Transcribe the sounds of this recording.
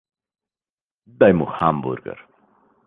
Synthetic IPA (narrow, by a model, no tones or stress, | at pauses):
d̪ajmʊhambʊ̰ɾɡa̰ɾ